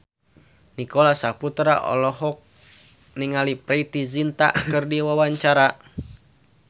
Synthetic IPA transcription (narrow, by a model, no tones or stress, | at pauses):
nikɔlasaput̪ɾa̰ʔɔ̰lɔɦɔk̚ | niŋalipɾeit̪izint̪a̰ʔkɨrdiwawaɲt͡ʃaɾa